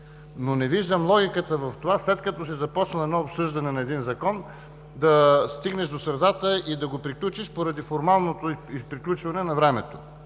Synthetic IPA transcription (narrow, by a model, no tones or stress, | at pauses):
nonɛviʒd̪əmlˠɔɡʲikət̪əvɐft̪ovaslɛt̪kɐt̪ɔsizɐpɔt͡ʃnɐɛd̪nɔopsɤʒd̪ɐnɛnɐɛd̪inzɐkɔn | d̪ɐst̪iɡnɛʃd̪osɾɐd̪at̪əid̪ɐɡopɾiklʲut͡ʃiʃpoɾɐd̪ifoɾmalˠnot̪oipɾiklʲut͡ʃvɐnɛnɐvɾɛmɛt̪o